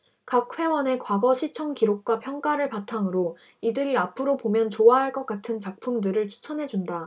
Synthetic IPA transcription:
kak̚ɸwe̞wʌne̞kwaɡʌɕʰit͡ɕʰʌŋkiɾok̚k͈wapʰjʌŋk͈aɾɯɭpatʰaŋɯɾo | idɯɾiapʰɯɾopomjʌnt͡ɕoaɦaɭk͈ʌk͈atʰɯnt͡ɕak̚pʰumdɯɾɯɭt͡ɕʰu̥t͡ɕʰʌnɦe̞d͡ʑunda

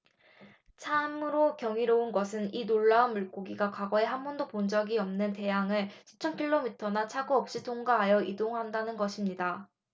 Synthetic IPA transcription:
t͡ɕʰamɯɾokjʌŋiɾounɡʌsʰɯninoɭːaunmuɭk͈oɡiɡakaɡʌe̞ɦambʌndopond͡ʑʌɡiʌmnɯnte̞jaŋɯɭɕʰi̥t͡ɕʰʌnkʰiɭːomitʰʌnat͡ɕʰaɡuʌp̚ɕ͈itʰoŋɡaɦajʌʔidoŋɦandanɯnɡʌɕʰimɲida

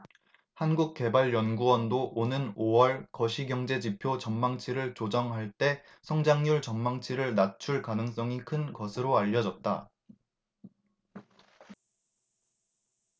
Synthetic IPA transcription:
hanɡuk̚k͈e̞baɭjʌnɡuwʌndoʔonɯnowʌɭkʌɕʰiɡjʌŋd͡ʑe̞d͡ʑipʰjot͡ɕʌmmaŋt͡ɕʰiɾɯɭt͡ɕod͡ʑʌŋɦaɭt͈e̞ | sʰʌŋd͡ʑaŋɲuɭt͡ɕʌmmaŋt͡ɕʰiɾɯɭnat͡ɕʰuɭkanɯŋs͈ʌŋikʰɯnɡʌsʰɯɾoaʎːʌd͡ʑʌt̚t͈a

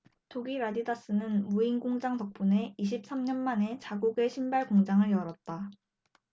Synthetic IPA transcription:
tʰoɡiɾadidas͈ɯnɯnmuinɡoŋd͡ʑaŋsʰʌk̚p͈une̞iɕʰip̚s͈amɲʌnmane̞t͡ɕaɡuɡe̞ɕʰimbaɭɡoŋd͡ʑaŋɯɭjʌɾʌt̚t͈a

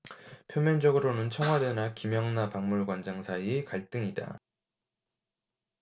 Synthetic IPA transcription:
pʰjomjʌnd͡ʑʌɡɯɾonɯnt͡ɕʰʌŋɦwadenakimjʌŋnapaŋmuɭɡwand͡ʑaŋsʰaiekaɭt͈ɯŋida̰

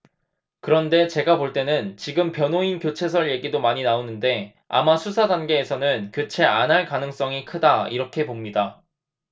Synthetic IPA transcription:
kɯɾʌnde̞t͡ɕe̞ɡapoɭt͈e̞nɯnt͡ɕiɡɯmpjʌnoinkjot͡ɕʰe̞s̬ʰʌɭje̞ɡidomaɲinaonɯnde̞ | a̰masʰusʰadanɡe̞ːsʰʌnɯnkjot͡ɕʰe̞anɦaɭkanɯŋs͈ʌŋikʰɯdaiɾʌkʰe̞pomɲida

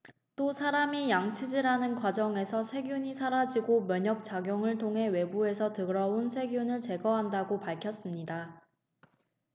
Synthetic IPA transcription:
t͈osʰaɾamijaŋt͡ɕʰid͡ʑiɾanɯnkwad͡ʑʌŋe̞sʰʌsʰe̞ɡjuɲisʰaɾad͡ʑiɡomjʌɲʌk̚t͡ɕ͈aɡjoŋɯɭtʰoŋɦe̞we̞bue̞sʰʌtɯɡɾʌunsʰe̞ɡjunɯɭt͡ɕe̞ɡʌɦandaɡopaɭkʰjʌs͈ɯmɲida

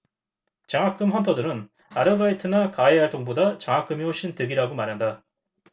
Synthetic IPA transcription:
t͡ɕaŋɦak͈ɯmɸʌntʰʌdɯɾɯn | aɾɯbaitʰɯnakaeaɭt͈oŋbodat͡ɕaŋɦak͈ɯmioɕ͈ʰintɯɡiɾaɡomaɾɦanda

